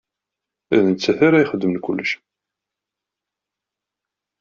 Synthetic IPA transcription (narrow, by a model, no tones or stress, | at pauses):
æðənt͡sːæθaɾajχəd̪ːəmənkʷʊlːəʃ